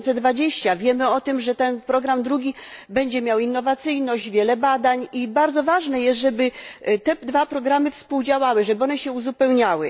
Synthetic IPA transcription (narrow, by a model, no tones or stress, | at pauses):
nt̪sɛd̪vad͡ʑeɕt͡ɕavʲjɛmɘɔt̪ɘmʐɛt̪ɛnpɾɔɡɾamd̪ɾuɡʲibɛɲd͡ʑɛmʲjawinːɔvat̪sɘjnɔʑd͡ʑvʲjɛlɛbad̪aɲibaɾd̪zɔvaʐnɛjɛst̪ʐɛbɘt̪ɛd̪vapɾɔɡɾamɘfspuwd͡ʑawawɘʐɛbɘɔnɛɕɛuzupɛwɲawɘ̰